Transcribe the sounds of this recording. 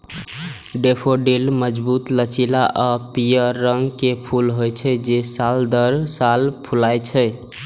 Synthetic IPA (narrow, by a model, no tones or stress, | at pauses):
ɖepʰoɖelməd͡ʒbut̪lət͡ʃilaʔapijəːəŋɡkepʰulɦojt͡ʃʰɛd͡ʒesald̪əɾsalpʰulajt͡ʃʰə